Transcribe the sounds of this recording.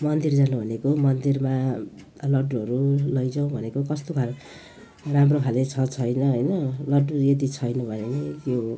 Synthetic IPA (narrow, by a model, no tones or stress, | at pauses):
mʌnd̪ird͡zanubʱʌnekomʌnd̪irma | lʌɖuɦʌɾulʌjd͡zaw̃bʱʌnekokʌst̪okʰal | ramrokʰalet͡sʰʌt͡sʰʌjnʌɦʌjnʌlʌɖːued̪it͡sʰʌjnubʱʌnelet̪jo